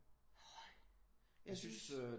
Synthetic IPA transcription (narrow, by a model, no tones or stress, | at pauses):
jaɪsynsø